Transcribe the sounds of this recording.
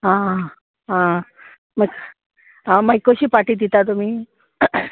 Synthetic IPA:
ɦã | ɦã | məɡ | ɦãmajkoɕiːpaʈiːd̪it̪at̪̬um̤iː

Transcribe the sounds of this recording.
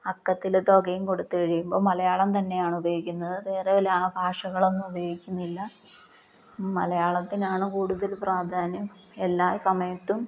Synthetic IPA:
ɐkːɐt̪ːild̪o̞ːɡɐjumko̞ɽut̪ːukɐɻijumbo̞ːmɐlɐjaːɭɐmt̪ɐnːe̞jaːɳubɐjoːikʲːunːɐðɨʋe̞ːreɐlaːɳɨbʱaːʂɐɣɐɭo̞nːumubɐjoːɡikʲːunːilːɐ | mɐlɐjaːɭɐt̪ːinaːɳɨkuːɽuðɐlpraːd̪ʱaːnɐm | elːaːsɐmɐjɐt̪ːum

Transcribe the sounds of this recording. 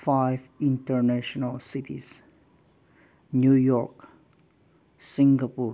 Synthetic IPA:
faɪvɪ̃nʈəɾnæʃənəlsitḭz̥ | njujɔk | sɪ̃ŋɡəpu

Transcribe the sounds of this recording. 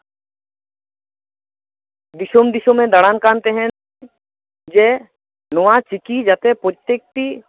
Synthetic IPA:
d̪ɪʃomd̪ɪʃõmẽd̪ɐɽaːnkãːnt̪eɦɛ̃ | d͡ʒeː | nʊʋãt͡ʃɪkid͡ʒɐt̪epot̪ek̚t̪i

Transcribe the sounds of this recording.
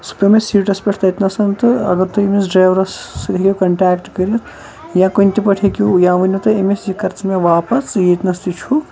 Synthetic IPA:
su̥pemesiːʈɐspʲeʈʰt̪ɐjt̪nɐsɐnt̪ɨɐ̰ɡɐɾt̪uemes̬ɖɾɐːjʋɾɐsːlekʲikɐɳʈaːkʈkɐɾijɐt̪ʰ | jãːkunʲt̪ipɐʈʰekujãːʋɐnʲut̪ɨemesjikɐɾt͡smeʋaːpɐsjet̪nɐst̪it͡ʃʰu

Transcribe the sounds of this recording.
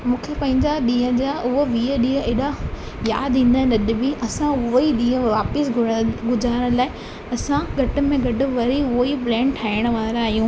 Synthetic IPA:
mũːkʰepɐ̃ɦɪ̃ɲd͡ʑaɗĩːə̃d͡ʑaʊɦoʋiːəɗĩːə̃eːɗa | ja̰ːd̪ĩːn̆d̪aːɦnɐɗɪbiʔɐsãʊɦoiɗĩːə̃ʋaːpɪsɡʊɡʊzaːɪɽ̃laːɪ | ɐsãɡʱɐʈʊ̆mẽɡʱɐɖʊ̆ʋɐɾiʊɦoiplɛ̃ːɳʈʰaːɪɽ̃̆ʋaːɾaːɦijũ

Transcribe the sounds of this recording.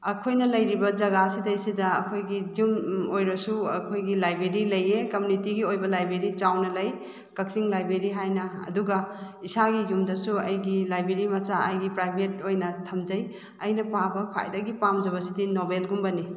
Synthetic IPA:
ɐkʰojnɐlɐjɾibɐd͡ʒɐɡasidɐjsidɐːkʰojɡiɡumojɾɐsuɐkʰojɡilajbeɾilɐjekɐmunitiɡiojbɐlajbɾeɾit͡ʃawnɐlɐj | kɐk̚siŋlajbɾeɾiɦajnɐɐ̰duɡɐ | isaɡiɡumdɐsuɐjɡilajbɾeɾimɐsaɐjɡipɾajbʰʱet̚ojnɐtʰɐmd͡ʒɐj | ɐjnɐpabɐkʰa̰jdɐɡipamd͡ʒɐβɐsidinobelɡumbɐni

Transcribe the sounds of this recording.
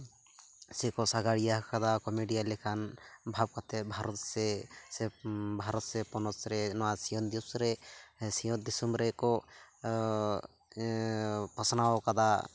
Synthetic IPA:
sɛkɔsaɡaɽijakad̪akɔmeɖijalɛkʰanbʱab̚kat̪ɛbʱaɾɔt̪sɛsɛbʱaɾɔt̪sɛpɔnɔsɾɛnɔwasijɔnd̪isɾɛsijɔd̪isɔmɾɛkɔ | pɔsnawɔkad̪a

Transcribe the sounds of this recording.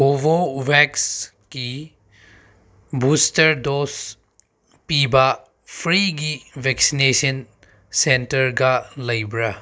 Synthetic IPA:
ɦobobɛks | ki | bustɐɾdos | pibɐ | pʰɾiɡibʱɛksinesɐn | sentɐɾɡɐlɐjbɾɐ

